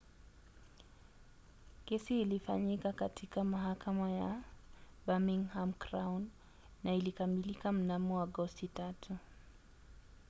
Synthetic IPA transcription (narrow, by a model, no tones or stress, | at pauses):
kɛsiːlifa̰ɲikakatʰikamaɦakamaja | bamiŋhamkɾawnː | ailikamilikam̩namɔaɡɔstitatʰu